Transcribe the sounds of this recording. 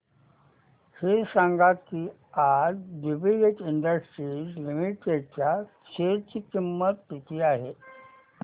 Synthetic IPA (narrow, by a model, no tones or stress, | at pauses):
hesãŋɡat̪̚kiː | aɾɖibileʈiɳɖəsʈɾid͡zlimiʈet͡ɕja | t͡ɕʰeɾt͡ɕiːkimːət̪ːit̪iːaɦe